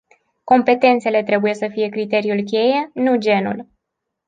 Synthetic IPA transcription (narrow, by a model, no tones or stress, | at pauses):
ko̞mpe̞t̪e̞nt̪se̞le̞t̪ɾe̞buje̞səfije̞kɾit̪e̞ɾiulkʲe̞je̞nud͡ʒe̞nṵl